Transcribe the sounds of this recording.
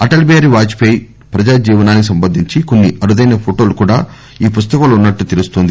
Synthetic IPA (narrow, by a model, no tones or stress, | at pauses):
ɐʈɐlbeːɾiʋaːt͡ʃpej | pɾɐd͡ʒaːd͡ʒiːʋɐnaːnikisɐmbɐnd̪ʱiɲt͡ʃiko̞nːiʔɐɾud̪ɐjnɐpʰoʈo̞ːlukuːɽaː | iːpust̪ɐkɐlunːɐʈːut̪elust̪oːnd̪i